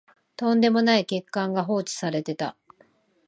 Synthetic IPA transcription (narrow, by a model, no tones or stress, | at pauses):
t̪õ̞nd̪e̞mo̞naike̞kːãŋɡaɦo̞ːt͡ɕi̥saɾe̞t̪e̞t̪a̰